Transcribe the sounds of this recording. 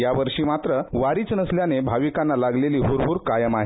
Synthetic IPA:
jaʋəɾʂiːmat̪ɾəʋaɾiːt͡snəsljanebʱaʋikãnːalaɡleliːɦuɾɦuɾkajəmaɦi

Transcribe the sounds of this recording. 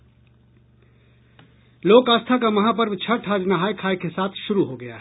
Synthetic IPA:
loːkaːst̪ʰakamɐɦapəɾbt͡ʃʰəʈʰɦaːd͡ʒnəɦaːjkʰaːjkesaːt̪ʰʃʊɾuɦoɡɐja̰ɦɛ

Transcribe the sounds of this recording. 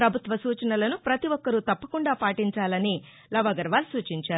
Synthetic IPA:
ɾɐbʱut̪ʋɐsuːt͡ʃɐnɐlɐnupɾɐt̪iʋɔkːɐɾut̪ɐpːɐkuɳɖaːpaːʈiɲt͡ʃaːlɐni | lɐʋɐɡɐɾʋaːlsuːt͡ʃiɲt͡ʃaːɾu

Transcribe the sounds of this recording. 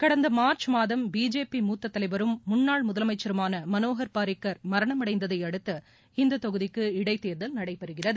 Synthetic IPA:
kɐɽɐnd̪ɐmaːɾt͡ʃmaːðɐmbiːd͡ʒeːpimuːt̪ːɐt̪ːɐlɐɪbɐɾɯmːʊnːaːɭmʊðɐlɐmɐɪt͡ʃːɐɾɯmaːnɐmɐnoːɣɐɾpaːɾɪkːɐɾmɐɾɐɳɐmɐɽɐɪnd̪ɐðɐɪjɐɽɯt̪ːɐ | ɪnd̪ɐt̪ɔɣɯðɪkːɯɪɽɐɪt̪eːɾðɐlnɐɽɐɪpːɐɾɯɣɪrɐðɯ

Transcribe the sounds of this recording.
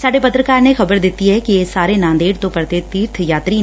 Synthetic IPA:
saːɖepɐt̪ɾəkaːɾnexɐbəɾd̪ɪt̪ːiɦɛkieːsaːɾenãːnd̪eːɽt̪õpɐɾt̪et̪iːɾt̪ʰjaːt̪ɾi

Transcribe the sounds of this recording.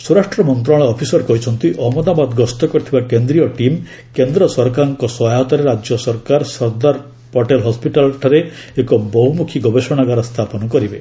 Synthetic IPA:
suɾaʂʈɾɔmɔnt̪ɾaɭ̃ɔːpʰisɔɾkɔɦit͡ʃʰɔnt̪iʔɔɦmɔd̪abad̪ɡɔst̪ɔkɔɾit̪ʰibakend̪ɾijɔʈim | kend̪ɾɔsɔɾkaɾɔŋkɔsɔɦaɦɔt̪ɔɾeɾad͡ʒjɔsɔɾkaɾsɔɾd̪aɾ | pɔʈelɦɔspiʈalʈʰaɾeːkɔbɔɦumukʰiɡɔbeʃɔɽ̃aɡaɾɔst̪ʰapɔnɔkɔɾibe

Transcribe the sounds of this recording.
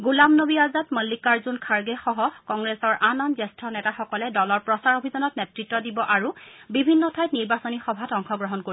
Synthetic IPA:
ɡulamnobiazatməlːikaɹzunkʰaɹɡɛxɔɦɔkɔŋɡɹɛsɔɹʔanɔnzɛstɹɔnɛtaxɔkɔlɛdɔlɔɹpɹɔsaɹobʱizɔnɔtnɛtɹitːɔdibɔʔaɹubibʱinːɔtʰajtniɹbasonixɔbʱatɔŋkʰɔɡɹɔɦɔnkoɹi

